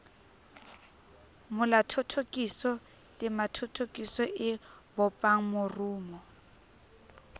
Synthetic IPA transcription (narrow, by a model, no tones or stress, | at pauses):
mʊlatʰɔtʰokʼisɔ | tʼɪmatʰotʰokʼisɔʔɪbɔpʼaŋ̩mʊruːmɔ